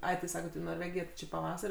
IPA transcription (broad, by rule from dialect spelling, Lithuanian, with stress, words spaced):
ˈɐɪ tʲɪ ˈsɑːkʲɛt iː noːrʲˈʋʲæːɡʲɪjæː tʲɪ ˈt͡ʃʲɪ pɐˈʋɑːsɐrʲ